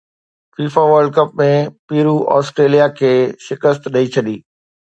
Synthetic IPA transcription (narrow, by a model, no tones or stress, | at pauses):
fiːfaʋəɾɖ̚kɐp̚mẽpiːɾuʔɔ̰ːsʈɾeːlijakʰeːʃɪkəst̪ɗɐit͡ɕʰɐɗiː